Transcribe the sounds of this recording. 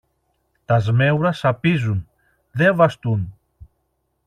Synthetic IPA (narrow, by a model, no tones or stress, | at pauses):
t̪ɐzme̞wɾɐsɐpizun | ðe̞vɐst̪un